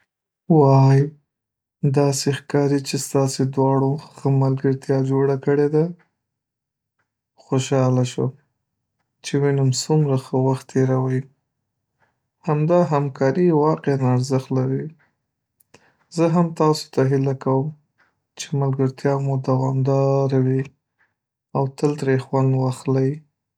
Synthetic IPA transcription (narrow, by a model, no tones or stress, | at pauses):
wɑj | d̪ɑsexkɑɾit͡ʃest̪ɑsed̪wɑɽoxəmalɡəɾt̪jɑd͡ʒoɽakəɽed̪a | xoʃɑlaʃwəm | t͡ʃewinamsumɾaxəwaxt̪ːeɾawaj | hamd̪ɑɦamkʰɑɾiwɑqeanaɾzəxt̪laɾi | zəɦamt̪ɑso̥t̪aɦɪlakawəm | t͡ʃemalɡəɾt̪jɑmod̪awɑmd̪ɑɾawi | awt̪əlt̪ɾexwand̪wɑxlaj